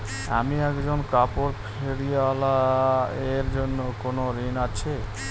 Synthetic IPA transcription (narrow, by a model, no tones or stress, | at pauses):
a̰miɛkd͡ʑonkapoɾpʰeɽieala | eɾd͡ʑonːokonoɾinat͡ɕʰe